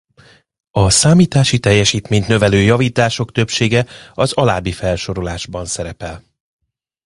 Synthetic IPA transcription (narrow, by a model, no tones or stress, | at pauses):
ɒsaːmiːt̪aːʃit̪ɛjːɛʃiːt̪meːɲt̪nø̞vɛløːjɒviːt̪aːʃo̞kt̪ø̞pʃeːɡɛɒzɒlaːbifɛlʃo̞ɾo̞laːʒbɒnsɛɾɛpɛl